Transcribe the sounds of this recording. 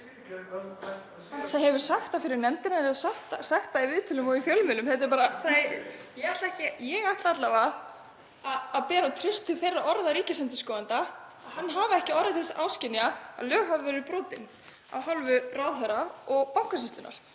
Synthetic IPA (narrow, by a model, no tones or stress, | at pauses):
saɦɛvʏɾ̥saxt̪afɪɾɪɾnɛmt̪ɪnaɾɛsaht̪saxt̪ːaivɪːðt̪ʰɪlʏmɔifjœlmɪlʏmθɛt̪ɪɾpaːɾaθajɛɣaht̪laɛhcɪjɛɣaht̪laat̪lava | aːðpɛːɾat̪ʰɾʏst̪ʰːɪlθejrːaʔɔɾðaɾiːcɪsɛnt̪ɪskɔːðant̪aaðhanːɦaːvɪɛhcɪɔɾðɪθɛsawscɪnjaa̰ðlœːɣɦavɪvɛɾɪɾpɾɔːt̪ɪn | a̰vhalvʏraːðθɛɾaɔɣpawhkasɪst̪ʏnʔa̰ɾ̥